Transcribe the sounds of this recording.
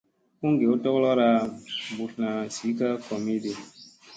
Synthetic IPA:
ku˦ŋ˦ɡe˨u˦tɔ˦ɣlɔ˦ɾa˦bu˨tna˨si˨˦ka˦kɔ˨me˦de˨

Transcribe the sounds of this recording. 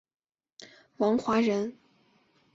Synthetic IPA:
wɑ˧˥ŋxwa˧˥ɻə˧˥n

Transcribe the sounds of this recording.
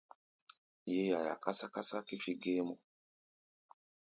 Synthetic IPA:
je˦ja˨ja̰˨ka˦sa˦ka˦sa˦ki˦fi˦ɡe˦mɔ˨

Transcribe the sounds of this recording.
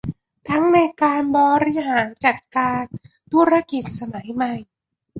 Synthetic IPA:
t̪ʰa˦˥ŋna˧jkaː˧nbɔː˧ɾi˧˥ɦaː˩˦nt͡ɕa˨˩t̪̚kaː˧n | t̪ʰu˦˥ɾa˧˥ki˨˩t̪̚sa˧ma˩˦jma˨˩j

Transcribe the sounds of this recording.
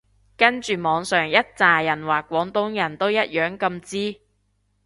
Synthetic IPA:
kɐ˥nt͡ʃyː˨mɔː˨˧ŋsœː˨˩ŋjɐ˥t̚t͡saː˨jɐ˨˩nwaː˨kːʷɔː˨˥ŋt̪ʊ˨˥ŋjɐ˨˩nt̪o˥wjɐ˥t̚jœː˨˥ŋkɐ˧mt͡siː˥

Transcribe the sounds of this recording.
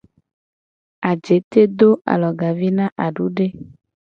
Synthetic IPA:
a˨d͡ʒe˨˦t̪e˦d̪o˦a̰˨lɔ˨ɡa˨vi˦nã˦ʔa˨ɖu˨˦ɖe˦

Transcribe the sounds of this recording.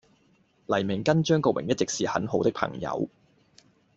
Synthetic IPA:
lɐ˨˩jmɪ˨˩ŋkɐ˥nt͡ʃœː˥ŋkɔː˧wʔɪ˨˩ŋjɐ˥t̚t͡sɪ˨k̚siː˨hɐ̰˨˥nɦo˨˥wt̪ɪ˥k̚pʰɐ̰˨˩ŋjɐ̰˨˧˥w

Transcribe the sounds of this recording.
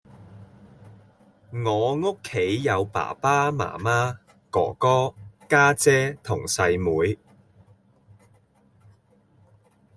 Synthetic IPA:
ŋɔː˨˧ŋo˥kʰːe˨˥jjɐ˨˧wpa̰ː˨˩paː˥ma̰ː˨˩maː˥ | kɔ̰ː˨˩kɔː˥kaː˥t͡sɛː˥t̪ʰʊ˨˩ŋsɐ˧jmuː˨˧j

